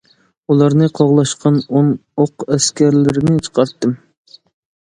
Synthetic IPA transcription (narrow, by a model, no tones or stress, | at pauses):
ulˠɑɾnɨqʰɑʁlˠɑʃqʰɑnonoqɛskʲæɾlɪɾɪnɪt͡ʃʰə̥qʰɑɾt̪ːɨm